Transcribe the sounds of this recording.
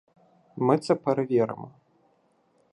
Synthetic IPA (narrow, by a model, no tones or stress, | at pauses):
mɨt̪sɛpɐɾɐvʲɛɾɨ̰mɐ